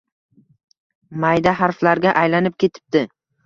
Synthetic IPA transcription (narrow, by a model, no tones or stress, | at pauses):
majd̪aɦaɾflaɾɡʲaʔajlanɪp̚kʲʰe̞t̪ʰɪ̥p̚d̪̥ɪ